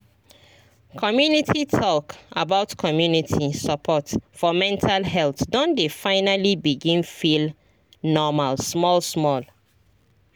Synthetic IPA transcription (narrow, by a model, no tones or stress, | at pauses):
kʰɔmjunitʰitʰɔkabaʊtkʰɔmjunitʰisəpʰɔtfɔmɛ̃ntʰalɦɛlθdɔ̃ndefaɪnalibiɡĩnfil | nɔmalsmɔlsmɔl